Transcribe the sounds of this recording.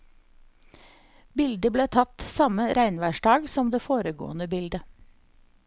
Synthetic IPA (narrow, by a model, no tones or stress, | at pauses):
bɪld̪əbleːt̪ʰɑt̪sɑməɾʔæɪnʋæːʃɖɑːɡsɔmd̪eːfoːɾəɡo̰ːənəbɪld̪ə